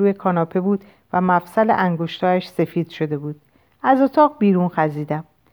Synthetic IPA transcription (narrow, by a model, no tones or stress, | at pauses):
uːje̞kʰɒːnɒːpʰe̞buːd̪̥ | væmæfsælḛʔæŋɡoʃt̪hɒːæʃse̞fiːd̪̥ʃo̞d̪e̞buːd̪̥ | æzot̪ʰɒːɣbiːɾuːnxæziːd̪æm